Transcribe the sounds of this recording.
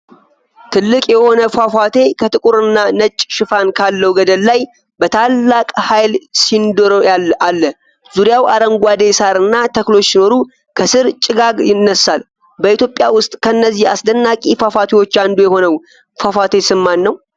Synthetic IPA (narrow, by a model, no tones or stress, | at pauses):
t̪ʰɨlːɨkʼjɛho̞nəfafat̪ʰe̞kʰət̪ɨkʼuɾɨnːanət͡ʃʼʃɪfankʰalːəwɡəd̪əlːaj | bət̪ʰalːakʼhajlsind̪oɾoaalːə | z̥uɾjawaɾəŋɡʷad̪e̞saɾɨnːat̪ʰəklo̞t͡ʃːsino̞ɾu | kʰəsɨɾt͡ʃʼɪɡaɡjɪnːəsːal | bəit̪jo̞pʼjawʊst̪ʼkʰənːəzːiha̰sd̪ənːakʼifafat̪ʰewo̞t͡ʃːand̪ujɛho̞nəw | fafat̪ʰe̞sɨmːanːəw